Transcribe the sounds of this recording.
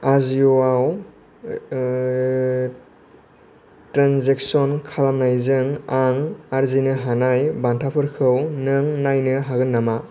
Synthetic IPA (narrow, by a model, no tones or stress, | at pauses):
azioaw | tɾanzek̚sɔnkʰalamnajzɯŋaŋaɾzinɯɦanajbantʰapʰɯɾkʰɯwnɯŋnajnɯɦaɡɯnːama